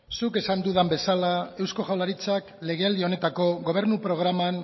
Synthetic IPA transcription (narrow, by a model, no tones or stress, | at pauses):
suke̞sand̪uðambe̞salae̞wsko̞ʝawlaɾit͡sakle̞ɣ̞e̞ald̪io̞ne̞t̪ako̞ɣo̞β̞e̞ɾnupɾo̞ɣ̞ɾaman